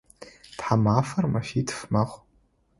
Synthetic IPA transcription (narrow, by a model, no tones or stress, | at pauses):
tħamafarmafitʰfmaχʷ